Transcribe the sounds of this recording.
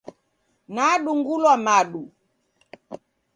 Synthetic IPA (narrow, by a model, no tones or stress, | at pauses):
naɗuŋɡulwamaɗu